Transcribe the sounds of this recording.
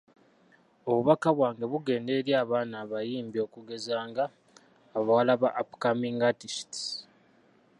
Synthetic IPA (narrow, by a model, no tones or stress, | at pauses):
o̞βuβakaβwaːŋɡe̞βuɡe̞ːnde̞ːɾjaːβaːnaːβajiːmbjo̞ːkuɡe̞zaːŋɡaː | βawalaβaʔapu̥kamiŋɡatisti̥